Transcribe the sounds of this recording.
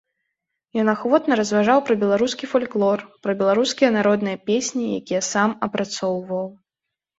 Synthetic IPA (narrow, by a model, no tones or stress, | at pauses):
janaxvɔt̪nɐɾɐzvaʐawpɾɐbʲɛlˠaɾuskʲifalʲklˠɔrpɾɐbʲɛlˠaɾuskʲijɐnaɾɔd̪nɨjɐpʲesʲnʲija̰kʲijɐsamɐpɾat̪sɔwvɐw